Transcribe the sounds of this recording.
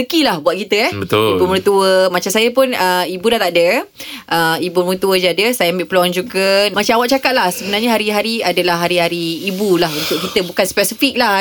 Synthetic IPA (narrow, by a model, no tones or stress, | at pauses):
səkilahbuat̪̚kit̪əɛhbət̪ibumuɾt̪uəmat͡ʃamsajəpʊnəibudaht̪aʔdə | ʔəibumut̪uəd͡ʒadəsajaəmbɪʔpəluand͡ʒuɡəmat͡ʃaawaʔ̚t͡ʃakat̪̚lahsəbənarɲaɦaɾiɦaɾiadəlahɦaɾiɦaɾiːbulaɦunt̪ʊʔ̚kit̪əbukanspɛsifik̚la